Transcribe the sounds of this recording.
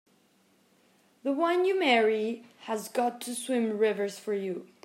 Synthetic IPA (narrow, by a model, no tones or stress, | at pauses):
ðəwʌ̃njɨmɛɹihəzɡɑtʰɨswɪ̃mɹɪvə˞z̥fə˞ju